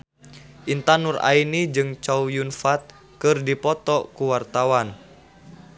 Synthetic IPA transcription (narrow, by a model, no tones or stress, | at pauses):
ʔint̪anura̰inid͡ʒɨŋt͡ʃaujunfat̪̚ | kɨrdipɔt̪ɔkuwart̪awan